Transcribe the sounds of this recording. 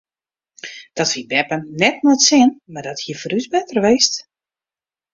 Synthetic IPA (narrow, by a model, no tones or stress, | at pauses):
d̥ɔtfibɛpənnɛtnɔtsɪənmardɔthiəfəɾysbɛtərʋeːst